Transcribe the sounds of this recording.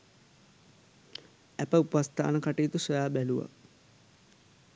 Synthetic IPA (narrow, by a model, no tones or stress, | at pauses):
æpəupʋast̪a̰ːnəkaʈiːt̪usojaːbæluʋa̰